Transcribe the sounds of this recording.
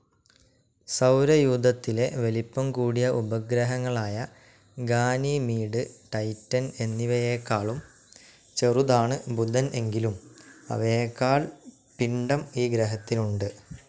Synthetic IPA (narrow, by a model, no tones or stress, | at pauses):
sɐwɾɐjuːd̪ʱɐt̪ːile̞ʋe̞lipːɐmkuːɽijɐʔubɐɡɾɐɦɐŋːɐɭaːjɐ | ɡaːnimiːɖɨʈɐjtːɐne̞nːiʋɐjeːkːaːɭum | t͡ɕe̞rud̪aːɳɨbud̪ʱɐne̞ŋɡilumɐ̰ʋekːaːɭ | piɳɖɐmiːɡɾɐɦɐt̪ːiluɳɖɨ